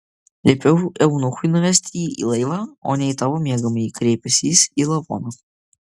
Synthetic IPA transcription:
lʲepʲɛʊɛʊnʊxʊjnʊʋʲɛsʲt̪ʲiːḭlˠɐɪʋɑːo̰ːnʲɛɪt̪ɐʋomʲiɛɡɐmɐjkɾʲɛɪpʲɛsʲiːsiːlˠɐbo̰ːnɐ

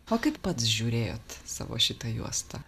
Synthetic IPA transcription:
oːkɐɪppɐt̪sʒʲuːɾʲeːjo̰ːt̪sɑ̰ːʋo̰ːʃʲɪt̪ɐjṵɔst̪ɐ

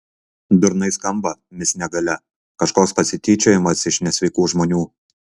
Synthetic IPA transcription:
d̪ʊɾnɐɪskɐmbɐmʲɪsnʲɛɡɐlʲɛ | kɐʃkoːkspɐsʲɪt̪ʲiːt͡ʃʲoːjɪmɐsɪʃnʲɛsʲʋʲɛɪkuːʒmoːnʲuː

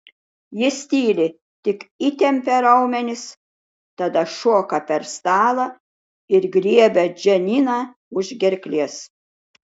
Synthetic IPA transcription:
jɪsʲt̪ʲiːlʲɪ | t̪ʲɪkit̪ʲɛmʲpʲɛɾɐʊmʲɛnʲɪs | t̪ɐd̪ɐʃuɔkɐpʲɛɾst̪ɑːlˠɐ | ɪɾɡɾʲiɛbʲɛd͡ʒʲɛnʲiːnɑː | ʊʒɡʲɛɾʲklʲiɛs

